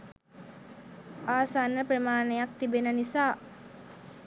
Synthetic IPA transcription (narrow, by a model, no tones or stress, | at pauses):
aːsanːəprəmaːnejak̚t̪ibenənisaː